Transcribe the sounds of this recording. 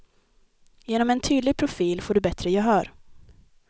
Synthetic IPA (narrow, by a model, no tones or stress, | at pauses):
jeːnɔmɛnt̪ʰyːd̪lɪɡ̚pʰɾʊfiːlfoːɖɵbɛt̪ɾəjɑɦœːɾ